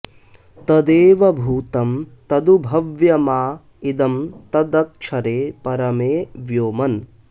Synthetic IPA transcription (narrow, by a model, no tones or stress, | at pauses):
t̪ɐd̪eːʋɐbʱuːt̪ɐmt̪ɐd̪ubʱɐʋjɐmaː | id̪ɐmt̪ɐd̪ɐk̚t͡ʃʰɐɾeːpɐɾɐmeːʋjoːmɐn